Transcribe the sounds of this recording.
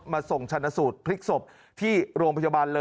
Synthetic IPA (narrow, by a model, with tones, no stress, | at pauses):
maː˧so˨˩ŋt͡ɕʰa˧nːa˧˥suː˨˩t̪̚pʰli˦˥k̚so˨˩p̚ | t̪ʰiː˥˩ɾoː˧ŋpʰa˧baː˧nlɤː˧